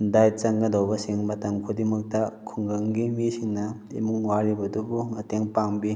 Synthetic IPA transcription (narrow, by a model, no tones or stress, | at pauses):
dajt͡ʃɐŋɡɐdawbɐsiŋmɐtɐŋkʰudimɐk̚tɐkʰuŋɡɐŋɡimisiŋnɐimuŋwaɾibɐdubumɐteŋpaŋbi